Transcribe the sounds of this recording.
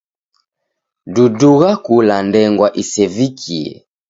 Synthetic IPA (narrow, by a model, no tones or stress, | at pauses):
duduɣakulandɛŋɡwaʔisɛvikʰiɛ̰